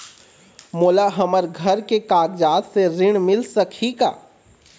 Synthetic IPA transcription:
moːlaɦɐməɾɡʱɐɾkekaːɡd͡ʒaːt̪seɾɪɽ̃mɪlsəkʰika̰ː

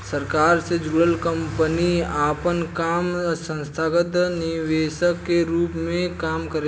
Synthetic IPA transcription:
səɾkaːɾsed͡ʒuɽəlkə̃mpəniaːpənkaːmsə̃nst̪ʰaːɡət̪nɪʋeːʃəkːeɾuːpmẽkaːmkəɾe

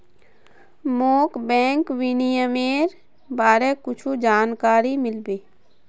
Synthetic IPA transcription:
moːkbɛ̃ːŋkʋinijəmeːɾ | baːɾekʊt͡ʃʰud͡ʒaːnkaːɾimɪlbeː

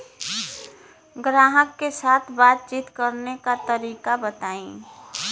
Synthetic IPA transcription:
ɡɾaːɦəkːesaːt̪ʰbaːt̪̚t͡ʃiːt̪kəɾnekat̪əɾiːkabət̪aːĩ

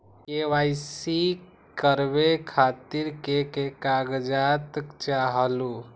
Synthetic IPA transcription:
keʋajsi | kəɾbekʰat̪iɾkekekaɡd͡ʒat̪kt͡ʃaɦəlu

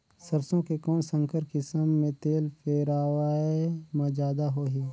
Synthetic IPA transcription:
səɾsõkekɔːnsə̃ŋkʰəɾkɪsəmːẽt̪eːlpʰeːɾaːwaːemãd͡ʒaːd̪aɦoːɦeː

